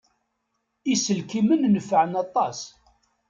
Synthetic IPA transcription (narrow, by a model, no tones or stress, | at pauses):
isəlkimənnəfːʕənɑt̪ˤɑs